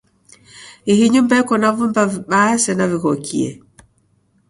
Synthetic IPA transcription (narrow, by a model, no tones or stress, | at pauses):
ihiɲumbɛkɔnavumbaviɓasɛnavikɔkʰḭɛ̰